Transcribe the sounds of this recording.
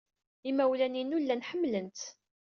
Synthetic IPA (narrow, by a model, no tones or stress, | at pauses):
imæwlæninulːænħəmːlənt̪